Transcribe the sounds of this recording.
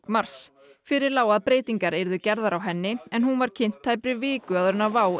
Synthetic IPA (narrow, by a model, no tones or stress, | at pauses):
kmaɾ̥s | fɪɾɪɾlaːwaðpɾeːjt̪iŋkaɾejɾðʏcɛɾðaɾawɦɛnːɪɛnɦunvaɾ̥cʰɪn̥t̪ʰːaːjpɾɪvɪːkʏaðɾʏnːavaːw